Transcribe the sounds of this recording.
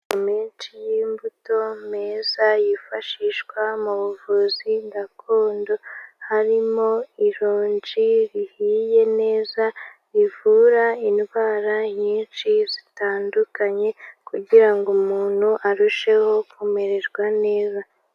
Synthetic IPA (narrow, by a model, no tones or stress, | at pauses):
omiːnt͡ʃijiːmbuto̞meːzajifaʃiʃɡwamuβuvuziɡakʰoːndo̞haɾimo̞iɾoːɲd͡ʒiɾihiːje̞ne̞ːza | ivuːɾainβaːɾaɲiːnt͡ʃizitaːndukaɲe̞kuɟiɾaŋɡumuːn̥huʔaɾuʃe̞ho̞kume̞ɾe̞ɾɡwane̞ːza